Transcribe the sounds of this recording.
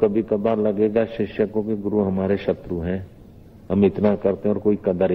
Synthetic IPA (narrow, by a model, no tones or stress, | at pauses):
kɐbʱikɐbaːɾlɐɡeːɡaʃɪʃəkõkeɡʊɾuɦɐmaːɾeʃɐt̪ɾuɦɛ̃ | ɦɐmɪt̪nakɐɾt̪eɦɛ̃ɔːɾkoːikɐd̪əɾ